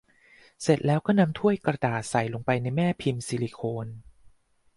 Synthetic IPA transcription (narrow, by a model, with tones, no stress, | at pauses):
se˨˩t̪̚lɛː˦˥wkɔː˥˩na˧mt̪ʰu˥˩əjkɾa˧daː˨˩t̪̚sa˨˩jlo˧ŋpa˧jna˧jmɛː˥˩pʰi˧msiː˧li˧kʰoː˧n